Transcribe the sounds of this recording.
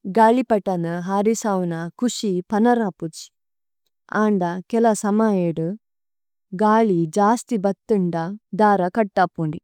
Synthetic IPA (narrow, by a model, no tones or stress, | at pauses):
ɡaːɭipɐʈːɐnɐɦaːɾisɐwnɐkuʂipɐnɐɾaːput͡ʃ | aːɳɖɐkɛlɐsɐmajeːɽɨ | ɡaːɭid͡ʒaːst̪ibɐt̪ːuɳɖɐd̪aːɾɐkɐʈːaːpuɳɖi